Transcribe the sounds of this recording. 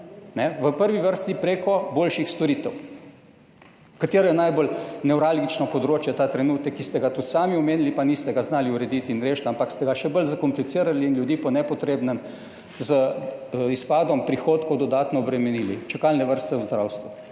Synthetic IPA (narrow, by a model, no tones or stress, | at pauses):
nɛʋəpəɾʋiʋəɾst̪ipɾeːkɔboːlʃixst̪ɔɾiːt̪ɛw | kat̪eːɾɔjɛnajbolnɛwɾalɡit͡ʃnɔpɔd̪ɾoːt͡ʃjɛt̪aːt̪ɾɛnuːt̪əkːist̪ɛɡat̪ut̪saːmiɔmeːnilipanist̪ɛɡaznaːliuɾɛd̪it̪inɾeːʃt̪ampakst̪ɛɡaʃɛbəlzakɔmplit̪siːɾaliːnljud̪iːpɔnɛpɔt̪ɾeːbnɛm | zə | ispaːd̪ɔmpɾixoːt̪kɔwd̪ɔd̪aːt̪nɔːbɾɛmɛniːlit͡ʃɛkalnɛʋəɾst̪ɛwzd̪ɾawst̪ʋu